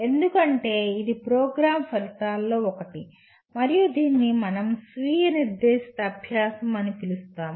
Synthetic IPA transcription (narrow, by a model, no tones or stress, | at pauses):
e̞nd̪ukɐɳʈe̞ːid̪ipɾoːɡɾaːmpɐɾit̪aːlːo̞ːɔkɐʈi | mɐɾijud̪iːnːimɐnɐmsʋiːjɐniɾd̪eːʂi̥t̪ɐɐbʱjaːsɐmɐnipilust̪aːm